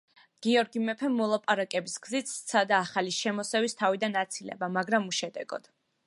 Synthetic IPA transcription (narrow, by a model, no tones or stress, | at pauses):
ɡ̥iɔɾɡimɛpʰɛmmːɔlˠapʼaɾakʼɛbisɡzit̪sʰad̪aːχaliʃɛmɔsɛvist̪ʰavid̪anat̪sʰilɛ̰bamaɡɾamuʃɛd̪ɛɡɔ̰d̪̥